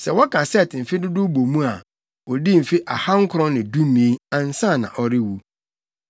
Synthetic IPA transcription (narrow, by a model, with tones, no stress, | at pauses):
sɛ˨wɔ˦kʰã˨sɛ˦˨tʰɪ˨m̩˨fɪ˦dʊ˦dʊ˦bo˨mũ˦a˨ | ɔ˨di˦m̩˨fɪ˦ʔa˨ha˦ŋ̩˦kʰʊ˨ɾɔ̃˦nɪ̃˨dũ˦mĩ˨e˦ã˨n̩˦sã˦˨nã̰˨ʔɔ˨ɾɪ˦wu˨